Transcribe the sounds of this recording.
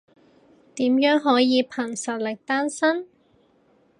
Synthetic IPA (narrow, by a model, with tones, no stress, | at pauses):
t̪iː˨˥mjœː˨˥ŋɦɔː˨˥jiː˨˧pʰɐ˨˩ŋsɐ˨˩t̚lɪ˨k̚t̪aː˥nsɐ˥n